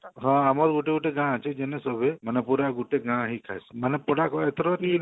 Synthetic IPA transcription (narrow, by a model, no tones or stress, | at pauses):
ɦɔ̃amɔɾɡuʈeɡuʈeɡãat͡ʃʰed͡ʒenesɔbʱemanepuɾaɡuʈeɡãɦikʰa̰jsmanɛpɔɽakɔet̪ʰɾɔt̪i